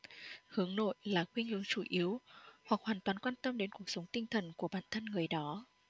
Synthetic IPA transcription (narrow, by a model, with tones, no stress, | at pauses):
hɨ˨˦əŋno̰˧˨jlaː˨˩xwi˧ɲɨ̰˧˥əŋt͡ɕu˧˩ʔi˨˦əwhwa˨˩k̚hwaː˨˩nt̪waː˨˩nkwaː˧nt̪ə˧mɗe˨˦nku˨˩ək̚sə˨˦wŋ͡mt̪ï˧ŋt̪ʰə˨˩nku˧˩əɓa̰ː˧˨nt̪ʰə˧nŋɨ˨˩əjɗɔ˨˦